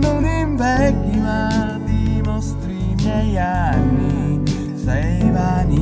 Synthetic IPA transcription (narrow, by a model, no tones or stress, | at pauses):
noniɱvɛɡːima | d̪inɔst̪ɾimjɛjanːi | sɛvani